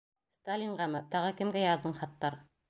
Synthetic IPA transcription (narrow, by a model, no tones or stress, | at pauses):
st̪alʲiɴʁɑmɤt̪ɑʁɤkɘ̆mɡæjɑðːɤɴχɑt̪ːɑɾ